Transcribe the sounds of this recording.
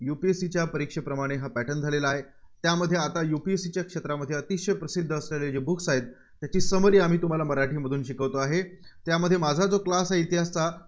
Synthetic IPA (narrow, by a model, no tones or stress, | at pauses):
jupiesit͡ɕjapəɾikʂəpɾəmaɽ̃eɦapæʈənd͡zʱalelaːɦe | t̪jaməd̪ʱjeat̪ajupiesit͡ɕjakʂet̪ɾaməd̪ʱːjeət̪iʂəjpɾəsid̪ʱːəsɾaled͡ʑebukʰsaet̪ː | jat͡ɕiːsəməɾiːam̤iːt̪um̤alaməɾaʈʰiːməd̪ʱuːnɕikəʋt̪oaɦet̪jaməd̪ʱːjemad͡zʱad͡zoklasaɦit̪iɦast͡sa